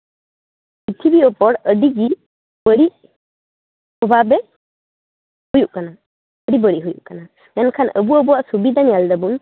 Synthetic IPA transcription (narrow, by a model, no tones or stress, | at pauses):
pit̪ʰibiɔpɔɽəɖiɡi | bəɽiʔ | ɔbʱabɛ | hujuʔkana | əɽibəɽiʔɦujṵʔkana | mankʰanə̰buəbuwaʔsubid̪ʱanijald̪əbun